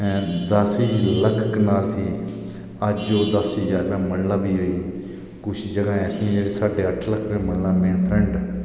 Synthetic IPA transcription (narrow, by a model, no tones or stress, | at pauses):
ɛ̃ːd̪əsiːləkʰəknaːlt̪ʰiː | əd͡ʒd͡ʒoːd̪əsid͡ʒaːɾʋɛ̃ːmənlãːbiːɦoːiː | kʊt͡ʃʰd͡ʒəɡãːɛsĩd͡ʒeːɽeːsaːɖeːəʈʰləkʰɾemənlãːmẽːnpʰɾɛ̃ɳɖ